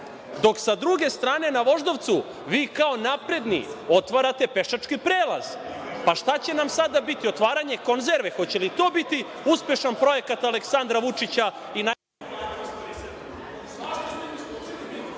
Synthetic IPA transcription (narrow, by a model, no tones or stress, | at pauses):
d̪o̞ksad̪ɾuɡe̞st̪ɾaːne̞naʋo̞ʒd̪oʋt̪su | ʋiːkao̞napɾe̞d̪nḭo̞t̪ʋaɾat̪e̞pe̞ʃat͡ʂkipɾeːla̰z | paʃt̪at͡ɕe̞namsad̪abit̪io̞t̪ʋaːɾaɲe̞ko̞nzeɾʋexo̞t͡ɕe̞lit̪o̞ːbit̪i | uspje̞ʃanpɾo̞je̞kat̪ale̞ksand̪ɾaʋut͡ʂit͡ɕa | ina